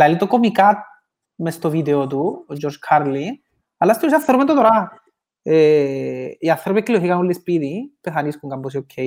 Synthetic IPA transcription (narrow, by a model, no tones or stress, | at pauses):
laelit̪okomikat̪̚ | mest̪oβid̪eot̪ud͡ʒoɾʃkʰaɾli | alast̪iɾsaθeɾβent̪ot̪oɾa | e | iaθeɾβekːiloɦikaulespiðipeθaniskuŋkambos̬iokʰːe